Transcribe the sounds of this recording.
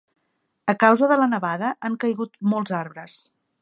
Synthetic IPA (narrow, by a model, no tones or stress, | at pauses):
əkawzəðələnəβaðəʔaŋkəjɣut̪mɔlˠzaɾβɾəs